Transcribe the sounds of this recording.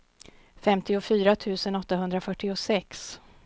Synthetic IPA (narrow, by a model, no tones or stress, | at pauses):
fɛmt̪ʰɪʊfyːɾat̪ʰʉ̟ːsənɔt̪ːaɦɵnd̪ɾafœʈːɪʊsɛks